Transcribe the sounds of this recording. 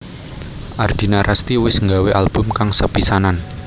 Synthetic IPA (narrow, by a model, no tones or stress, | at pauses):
ʔard̪̥i̤naɾʔast̪iwɪsŋɡaweʔalb̥ʊ̤mkaŋsəpisanan